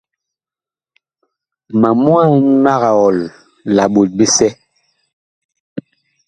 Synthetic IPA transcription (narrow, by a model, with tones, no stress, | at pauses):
ma˨mu˦a˦˨˦ma˦ɣa˨ɔ˨l | la˨ɓo˨t̚ɓe˦sɛ˦